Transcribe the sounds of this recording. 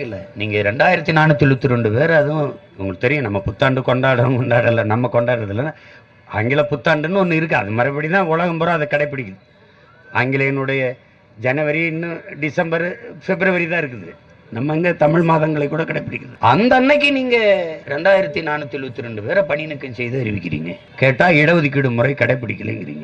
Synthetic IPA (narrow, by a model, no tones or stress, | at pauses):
ɪlːɐniːŋɡɐɾɛɳɖaːjɪɾɐt̪ːinaːnɯt̪ːɪɭɯt̪ːɯɾɔɳɖɯpeːɾɐɐðɯ̃ | ʊŋɡɐɭɯkt̪ːɛɾɪjʊ̃nɐmːɐpʊt̪ːaːɳɖɯkɔɳɖaːɽɐkɔɳɖaːɽɐlːɐnɐmːɐkɔɳɖaːɪɾɐðɪlːɐnː | a̰ːŋɡɪlɐpʊt̪ːaːɳɖɯnːɯɔnːɯɪɾɯk̬ːɐ̃ɐ̰ðɐmɐɾɐpːɐɽit̪ãːʊɭɐɣɐmpoːɾɐ̃ɐðɐkːɐɽɐɪpːɪɽɪkːɐðɯ | aːŋɡɪlɐjɐnɯɽɐjɐ | d͡ʒɛnɐʋɐɾiɪnːɯɖɪsɐmbɐɾfɛbɪɾɐʋɐɾit̪ãːɪɾɯkːɯðɯ | nɐmːɐŋɡet̪ɐmɪɭmaːðɐŋɡɐɭɐɪkːuːɽɐkɐɽɐɪpːɪɽɪkːɐðɯɐnd̪ɐnːɐɪk̬ːɯniːŋɡɐɾɛɳɖaːjɪɾɐt̪ːinaːnɯt̪ːɪlʋɐt̪ːɯɾɛɳɖɯpeːɾɐpɐɳɪjnɯkːɯnsɛjðɯɐɾɪʋɪkːɪɾḭːŋɡɐ | keːʈːaːɪɽɐʋɯðɪk̬ːɪɽɯmʊɾɐɪkɐɽɐɪpːɪɽɪkʲːɐlḛːŋɡɪɾḭŋɡɐ